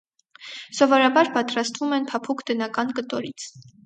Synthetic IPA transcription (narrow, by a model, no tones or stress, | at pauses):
sɔvɔɾɑbɑɾpɑt̪ɾɑst̪vumɛnpʰɑpʰukʰd̪ənɑkɑnkət̪ɔɾit͡sʰ